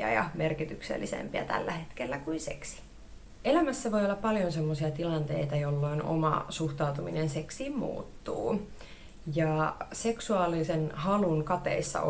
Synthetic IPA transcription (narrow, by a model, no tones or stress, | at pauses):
æ̰jɑ̰merkit̪yksḛlːisḛmpiæ̰t̪æ̰lːæhet̪kelːækuinse̞̰ksi̥ | elæmæsːæʋo̞jolːɑppɑljonsemːosiɑt̪ilɑnt̪e̞̰it̪ɑjolːo̞ino̰mɑ̰suht̪ɑut̪uminense̞ksiːmmṵːt̪ːṵː | jɑse̞ksuɑːlisenhɑlunkɑt̪ḛisːɑ̰